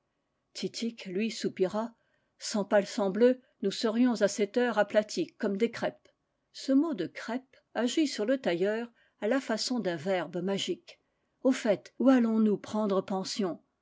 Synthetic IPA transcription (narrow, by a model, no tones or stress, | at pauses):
t̪ʰit̪ʰiklɥisupiʁa | sɑ̃palsɑ̃blø | nusəʁjɔ̃zasɛt̪œʁaplat̪ʰikːɔmd̪ekχɛp | səmod̪əkχɛp | aʒisyʁlət̪ajœːʁ | alafasɔ̃d̪ɛ̃vɛʁbmaʒik | ofɛt̪ualɔ̃nupχɑ̃d̪ʁəpɑ̃sjɔ̃